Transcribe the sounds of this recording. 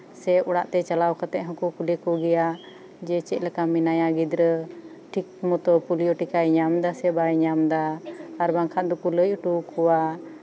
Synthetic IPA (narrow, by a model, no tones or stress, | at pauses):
sɛɔɽa̰ʔt̪ɛt͡ʃalawkʰat̪ɛʔ̚ɦɔ̃kukulɛkuɡɛja | d͡ʒɛt͡ʃɛc̪̚lɛkaminajaɡid̪ɾə | ʈʰik̚mɔt̪ɔpulijɔʈikajɲamd̪asɛbajɲamd̪aːɾbaŋkʰat̪̚d̪ɔkuləjuʈukʰɔwa